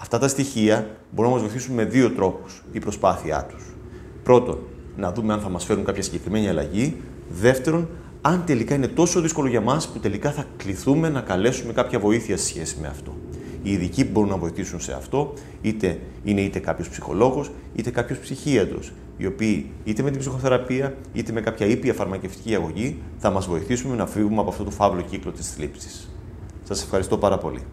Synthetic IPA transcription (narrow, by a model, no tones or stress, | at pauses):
ɐft̪ɐt̪ɐst̪içiɐbo̞ɾunɐmɐzvoiθisunme̞ðio̞t̪ɾo̞pu̥s | ipɾo̞spɐθiɐ̰t̪u̥s | pɾo̞t̪o̞̰nː | ɐðume̞ɐnθɐmɐsfe̞ɾuŋkɐpçɐsiɲɟe̞kɾime̞niɐlɐ̰ʝi | ðe̞ft̪e̞ɾo̞n | ɐnt̪e̞likɐine̞t̪o̞so̞ðisko̞lo̞ʝɐmɐsput̪e̞likɐθɐkliθume̞nɐkɐle̞sume̞kɐpçɐvo̞iθiɐse̥sçe̞sime̞̰ɐ̰ft̪o̞̰iːðicipubo̞ɾunːɐvo̞iθisunse̞̰ɐ̰ft̪o̞ | it̪e̞ | ine̞it̪e̞kɐpço̞spsixo̞̰lo̞ɣus | it̪e̞kɐpço̞spsiçiɐnd̪o̞̰s | ḭo̞piː | it̪eme̞t̪̬ibsixo̞θe̞ɾɐpiɐ | ḭt̪e̞me̞kɐpçɐipiɐfɐɾmɐce̞ft̪i̥ciɐɣo̞ʝiθɐmɐzvo̞iθisume̞nɐfivumeɐpoɐft̪o̞t̪o̞fɐvlo̞ciklo̞t̪i̥sθlipsi̥s | sɐse̞fxɐɾist̪o̞pɐɾɐpo̞̰lḭ